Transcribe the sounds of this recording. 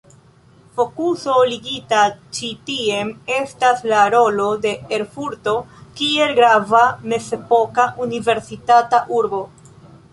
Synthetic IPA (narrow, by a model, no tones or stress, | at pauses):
fo̞kuso̞liɡitat͡ʃitie̞me̞staslaɾo̞lo̞de̞eɾfuɾto̞kie̞lɡɾavame̞se̞po̞kaʔunive̞ɾsitataʔuɾbo̞